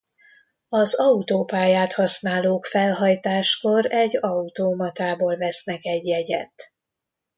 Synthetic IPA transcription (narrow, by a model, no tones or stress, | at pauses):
ɒzɒut̪oːpaːjaːt̪hɒsnaːloːkfɛlɦɒjt̪aːʃko̞ɾɛɟːɒut̪oːmɒt̪aːboːlvɛsnɛkɛɟːɛɟɛ̰t̪